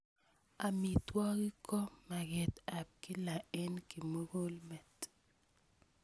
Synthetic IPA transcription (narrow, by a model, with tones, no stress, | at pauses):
a˨mi˨twɔ˦ɡi˦kɔ˦ma˨ɡɛ˨ta˨p̚kɪ˦la˨ɛ˦nki˨mo˦ɡo˦lmɛ˨t